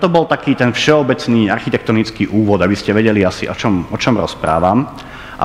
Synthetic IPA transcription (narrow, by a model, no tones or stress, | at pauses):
t̪ɔbɔlt̪akiːt̪ɛnfʃɛɔbɛt͡sniːarxit̪ɛk̚t̪ɔnit͡skiːʔuːʋɔd̪abiscɛʋɛɟɛliasḭʔɔt͡ʃɔmɔt͡ʃɔmɾɔ̰spɾa̰ːʋam | ʔa̰